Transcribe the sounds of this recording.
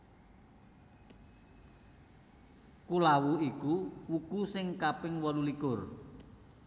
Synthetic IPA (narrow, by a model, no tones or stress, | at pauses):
kulawuikuwuɡ̥usɪŋkapɪŋwɔlulikʊr